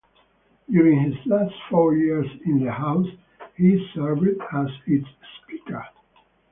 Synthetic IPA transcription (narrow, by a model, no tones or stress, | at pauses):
d̥juɹɪ̃ŋhɪzlæstfɔɹjiɹzɪ̃nðəhaʊs | hisɜ˞vɪdæzɪtsːpikə̰˞